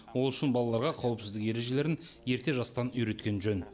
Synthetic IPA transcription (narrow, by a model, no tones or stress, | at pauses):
wo̞lˠʏʃɪnbɑlˠɑlˠɑɾʁɑqʰɑwəpsɪzd̪ɪkje̞ɾe̞ʒe̞le̞ɾɪn | je̞ɾt̪e̞ʒɑst̪ɑnʏjɾe̞t̪kʲe̞nʒøn